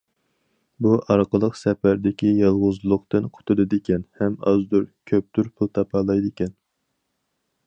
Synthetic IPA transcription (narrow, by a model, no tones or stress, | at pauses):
buʔɑɾqəlˠəqsɛpæɾd̪ɪkʲijɑlˠʁʊzlˠʊqt̪ɨnqʰʊ̥t̪ʰulɨd̪ɪkʲɛnhɛmɑ̰zd̪uɾkʲʰøp̚t̪yɾpʰulˠt̪ʰɑpʰɑlˠɑjd̪ɪkʲɛn